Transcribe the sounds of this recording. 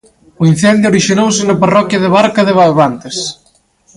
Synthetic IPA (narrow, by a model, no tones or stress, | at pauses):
ʊin̟θɛnd̪jʊoɾiʃinowsɪnɐparɔkjɐðɪβ̞aɾkɐðɪβ̞alβant̪es